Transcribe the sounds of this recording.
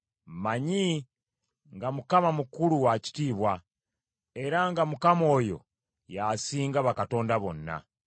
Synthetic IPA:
maɲi | ŋɡamukamamukuluwaci̥tiːβwa | e̞ɾaŋɡamukamo̞ːjo̞̰ | jasiːŋɡaβakato̞ːndaβo̞nːa̰

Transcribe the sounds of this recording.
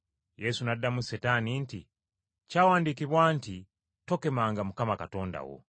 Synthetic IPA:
je̞sunadːamusetaninti | cawaːndikiβwaːnti | to̞ke̞maːŋɡamukamakato̞ːnda̰wo̰

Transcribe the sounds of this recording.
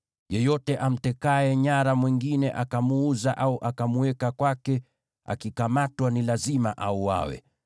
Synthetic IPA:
jɛjɔtɛʔam̩tɛkaɛɲaɾamwiŋɡinɛʔakamuuzaʔauʔakamuɛkakwakɛ | a̰kikamatwanilazimaʔauwa̰wɛ̰

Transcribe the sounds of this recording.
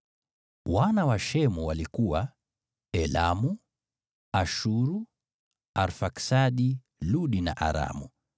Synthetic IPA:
wanawaʃɛmuwalikuwa | ɛla̰mu | aʃuɾu | aɾfaksaɗi | luɗinaʔaɾa̰mu

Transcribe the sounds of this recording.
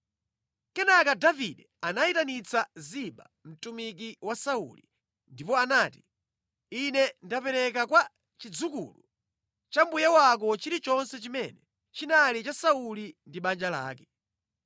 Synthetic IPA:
kɛnakadaviɗɛ | anaitanit͡saziɓa̰ | m̩tumik̬iwasaṵlḭ | ndipɔanaːti̥ | inɛndapɛɾɛk̬akwa | t͡ʃid͡zukṵːlṵ | t͡ʃambujɛwak̬ɔt͡ʃiɾit͡ʃɔnsɛt͡ʃimɛnɛ | t͡ʃinalit͡ʃasaulindiɓand͡ʒala̰ːkɛ

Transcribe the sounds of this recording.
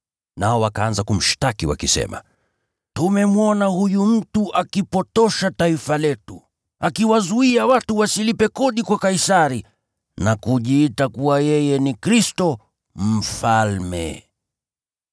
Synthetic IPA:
naɔwakaanzakum̩ʃtakiwa̰kisɛ̰ma̰ | tumɛmuɔnahujum̩tuʔakipɔtɔʃataifalɛtu | akiwazuiawatuwasilipɛkɔɗikwakaisaɾi | nakuʄiːtakuwajɛjɛnikɾistɔ | m̩falmɛ̰

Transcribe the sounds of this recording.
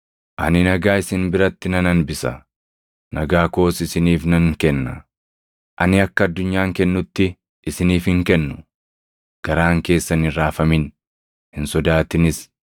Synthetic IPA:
ʔɐ̰nɪnɐɡaːɪsɪnbɪɾɐt̪ːɪnɐnɐnbɪsɐ̰ | nɐɡaːko̞ːsɪsɪniːfnɐŋkɛnːɐ | ʔɐ̰nɪɐkːɐɐd̪ːʊɲːaːŋkɛnːʊt̪ːɪ | ʔɪsɪniːfhɪŋkɛnːʊ̥ | ɡ̥ɐɾaːŋke̞ːsːɐnɪɾaːfɐmɪn | hɪnsɔd̪aːt̪ɪnɪs

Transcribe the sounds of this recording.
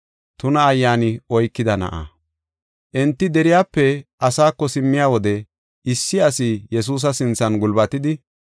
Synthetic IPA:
t̪ʊnɐːjːaːnɪɔjkːɪd̪ɐnɐ̰ʔɐ̰ | ʔɛnt̪ːɪd̪ɛɾɪjaːpːɛʔɐsaːkːɔsɪmːɪjaːwɔd̪ɛ | ɪsːɪɐsɪjɛs̬uːs̬ɐsɪnt͡sːɐnɡʊlbɐt̪ɪd̪ɪ

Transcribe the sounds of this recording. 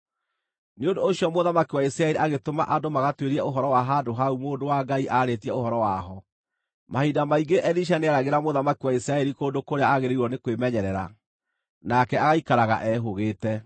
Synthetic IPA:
neondoːɕiɔmoðamakiwaisɾaɛɾiʔaɣetomaʔadomaɣatweɾiɛoɦɔɾɔwaɦadoɦaumoːndowaɡaiʔaɾetiɛoɦɔɾɔwaɦɔ | mahidamaiɡeʔɛðiʃ̬aneaɾaɣeɾamoðamakiwaisɾaɛɾikoːndokoɾeaaɣeɾeiɾɔnekwemɛɲɛɾɛɾa̰ | nakɛaɣaikaɾaɣa̰ʔɛɦoɣeːtɛ

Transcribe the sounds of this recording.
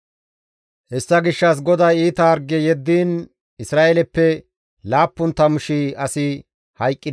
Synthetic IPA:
hɛsːɐɡɪʃːɐs̬ɡɔd̪ɐjiːt̪ɐɐɾɡɛjɛd̪ːiːn | ɪsɾaːelɛpːɛ | laːpːʊnt̪ɐmʊʃiɐsɪ | hɐjkʼːɪd̪

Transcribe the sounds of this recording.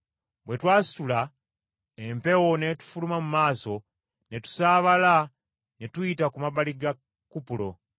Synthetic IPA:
bwe̞twaːsi̥tula | empe̞wone̞tu̥fulumamumaːso̞ | netu̥saːβala | netujitakumaβaliɡa | kupulo̞̰

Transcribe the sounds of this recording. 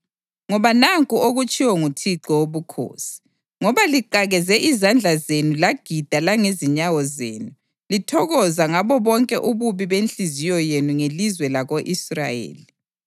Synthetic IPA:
ŋɔβanaŋkʼuoɣut͡ʃʼiwɔŋutʰiǃɔwoβukʰo̰ːsi̥ | ŋɔβaliǃaɣɛzɛʔizand͡ɮʱazenulaɡ̥ʱid̥ʱalaŋeziɲawɔzḛːnu | litʰɔɣɔzaŋaβɔβɔŋkʼɛʔuβuβiβenɬizijɔjenuŋelizwɛlaɣoʔisra̰jḛːli

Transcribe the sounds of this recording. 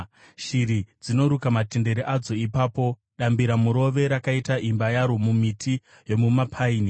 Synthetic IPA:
ʃiɾid͡zino̞ɾukamate̞nde̞ɾiʔad͡zo̞ipaːpo̞ | ɗambiɾamuɾo̞ʋe̞ɾakaitaʔimbajaɾomumitʰi | jo̞mumapʰaiːni

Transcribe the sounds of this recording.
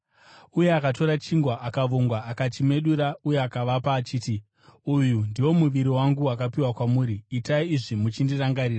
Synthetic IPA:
uje̞akato̞ɾat͡ʃiŋɡwaʔakaʋoŋɡwaːkat͡ʃime̞ɗuɾauje̞akaʋapaːt͡ʃiːti | ujundiwo̞muʋiɾiwaŋɡuwakapiwakwamuːɾiːtaiːʐimut͡ʃindiraŋɡaɾiːra

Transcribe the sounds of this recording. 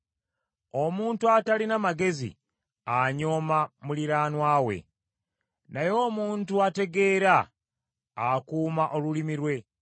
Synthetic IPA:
o̞muːntuatalinamaɡe̞zḭ | aɲo̞ːmamuliɾaːnwaːwe̞̰ | najo̞ːmuːntuate̞ɡe̞ːɾaː | kuːmaʔolulimiɾwe̞

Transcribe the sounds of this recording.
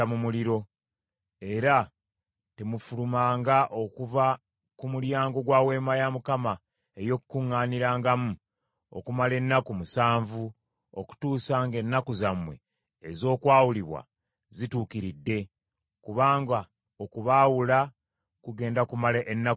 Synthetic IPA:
amumuliɾo̞ | e̞ɾa | temufulumaːŋɡaʔo̞kuva | kumuɾjaːŋɡo̞ɡwaːwe̞ːmajamukama | e̞jo̞kukuŋːaːniɾaːŋɡamu | o̰kumale̞nːakumusaːɱvu | oku̥tuːsaːŋɡe̞nːakuzamwe̞̰ː | zo̞ːkwaːwuliβwa̰ | zituːkiɾidːe̞ | kuβaːŋɡa | o̞kuβaːwula | kuɡe̞ːndakumaleʔenːa

